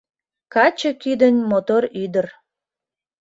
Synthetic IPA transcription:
kɑt͡ɕəkyd̪ənʲmot̪oryd̪ər

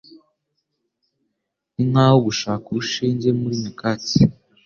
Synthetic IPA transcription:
ninawoɡuʃaːkuuʃiːɲɟemuɾimikati

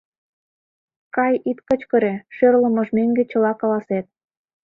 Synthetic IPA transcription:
kɑjit̪kə̆t͡ɕkə̆ɾeʃørlə̆mə̆ʒmeŋɡet͡ɕə̆lɑkɑlɑset̪̚

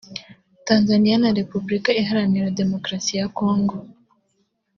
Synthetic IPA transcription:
taːnzanijanaɾepublikaeɦaɾaniɾade̞mokɾasijakoːŋɡo

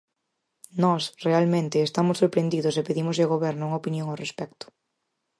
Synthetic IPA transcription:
nɔsrealmẽnt̪ɪːst̪amʊsːoɾpɾend̪iðʊsepeðimʊzʎɪoɣoβɛɾnʊuŋopinjoŋawrespɛkt̪ʊ̥

